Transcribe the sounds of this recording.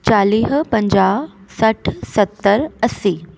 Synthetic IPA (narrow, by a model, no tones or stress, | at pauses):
t͡ɕaːliːɦpɐ̃ɲd͡ʑaː | sɐʈʰsɐt̪ːəɾɐsiː